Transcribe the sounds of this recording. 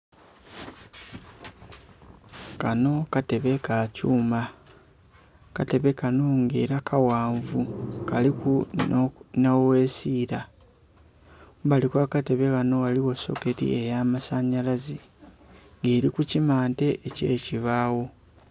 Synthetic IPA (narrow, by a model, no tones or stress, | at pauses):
kano̞kate̞βe̞kacuːma | kate̞βe̞kanoŋɡḛːɾakʰawaːɱvukaliku | nawe̞ːsiːɾa | βalikwaːkate̞βe̞kano̞waliwo̞so̞̰ke̞tḭe̞jaːmasaɲalazi | ŋɡeːɾikucimaːnte̞ʔːce̞ːciβaːwo̞